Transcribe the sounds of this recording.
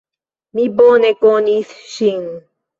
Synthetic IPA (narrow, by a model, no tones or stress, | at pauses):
miboːnekoniθʃiŋ